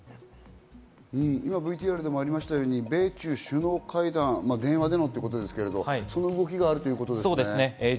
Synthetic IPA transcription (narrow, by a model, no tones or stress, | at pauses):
ĩimabɯ̟it̪ʲiːaɾɯ̟d̪e̞mo̞aɾʲimaɕi̥t̪ajo̞ːɲ̟ibe̞ːt͡ɕɨːɕɨno̞ːkʰaid̪ãŋmad̪ẽ̞ɰ̃βad̪e̞no̞t̪ːoiɯ̟ko̞t̪o̞d̪e̞sɨ̥ke̞ɾe̞d̪o̞aso̞noɯ̟ɡo̞kʲiɡaːɾɯ̟t̪ojɯ̟ko̞t̪od̪soːd̪esne